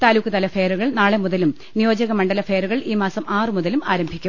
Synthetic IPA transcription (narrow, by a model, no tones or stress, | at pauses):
t̪aːlukːɨt̪ɐlɐfeːɾuɣɐɭnaːɭemuðɐlum | nijo̞ːd͡ʑɐɣɐmɐɳɖɐlɐfe̞ːɾuɣɐɭiːmaːsɐmʔaːrɨmuðɐlumaːɾɐmbʱikʲːum